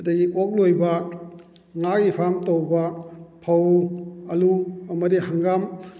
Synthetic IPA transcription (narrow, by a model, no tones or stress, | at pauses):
ɐdɐɡiʔok̚lojbɐ | ŋak̚ipʰamtowbɐpʰɐwɐluɐmɐdiɦaŋɡam